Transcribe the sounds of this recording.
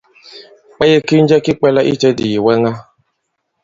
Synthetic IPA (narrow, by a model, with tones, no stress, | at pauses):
k͡pɛ˦jɛ˦ki˦n̩˦d͡ʒɛ˦ki˦k͡pɛ˦la˦ʔḭ˦t͡ʃɛ˦di˨ji˨wɛ˦ŋa˦